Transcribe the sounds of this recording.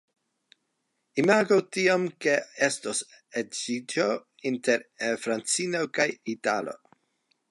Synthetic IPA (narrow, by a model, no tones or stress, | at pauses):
imaɡotiomke̞e̞stos | ed͡ʒid͡ʒo | inteɾfɾant͡sinokajitalo̰